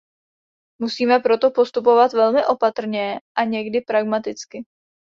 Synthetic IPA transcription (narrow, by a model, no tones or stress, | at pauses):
musiːmɛpɾo̞t̪o̞po̞st̪upo̞vat̪vɛlmɪʔo̞pat̪r̩ɲɛʔaɲɛɡdɪpɾaɡmat̪ɪt͡skɪ